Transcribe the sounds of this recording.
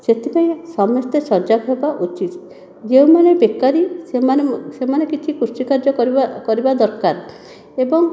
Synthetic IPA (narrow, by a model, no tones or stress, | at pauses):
set̪ʰipaĩsɔmest̪esɔɾd͡ʒabʱebaʔut͡ʃit̪ | d͡ʒeũmanebekːaɾisemansemanekit͡ʃʰikuɾsikaɾd͡ʒɔakɔɾibad̪ɔɾkaɾ | ebɔŋ